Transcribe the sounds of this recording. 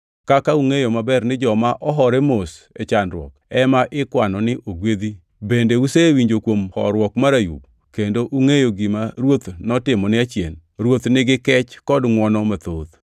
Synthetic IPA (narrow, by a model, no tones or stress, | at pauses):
kakauŋejomabɛrnɪd͡ʒɔmaʔɔɦɔɾɛmos | ɛ̰t͡ʃanɾwɔ̰kɛmaʔɪkwanɔnɪʔoɡwed̪i | bendeusewiɲd͡ʒokwomhɔ̰ɾwɔkmaɾajṵk̚ | kendoʔuŋejoɡɪmaɾwot̪nɔtɪmɔnɪat͡ʃjen | ɾwot̪nɪɡɪkɛt͡ʃkɔdŋwɔnɔmat̪od̪